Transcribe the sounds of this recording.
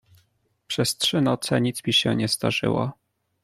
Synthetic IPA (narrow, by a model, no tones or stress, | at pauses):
pʂɛstʂɘnɔt̪sɛɲit̪smʲiɕɛ̰ɲɛzd̪aʐɘ̰wa̰